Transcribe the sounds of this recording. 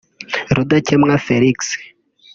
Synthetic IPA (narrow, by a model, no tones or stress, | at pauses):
ɾud̪at͡ʃʰɛmŋafɛliks